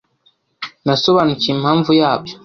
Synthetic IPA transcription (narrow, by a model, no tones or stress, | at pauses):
nasoβanucim̤̥haːɱvujaːbjo